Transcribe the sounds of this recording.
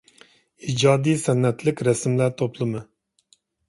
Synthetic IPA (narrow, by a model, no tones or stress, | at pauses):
id͡ʒɑːd̪ijsɛnːɛt̪lɪkʲɾɛsmlæɾt̪ʰoplˠɨmɨ